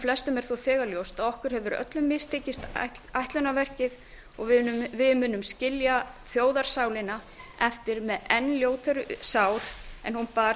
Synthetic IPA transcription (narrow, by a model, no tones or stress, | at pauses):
flɛst̪ʏmɛɾ̥θofɛːɣaljowst̪aðɔhkʏɾ̥hɛvʏɾœ̰t̪lʏmːɪst̪ʰeːcɪst̪t̪ajht̪lœnavɛr̥cɪð | ɔɣvvɪðmʏːnʏmscɪljaθjoːwðaɾ̥saːwlɪna | ɛft̪ɪɾmɛðɛnljoːwt̪ʰɛɾʏsaːwɾ̥ɛ̰nhunpa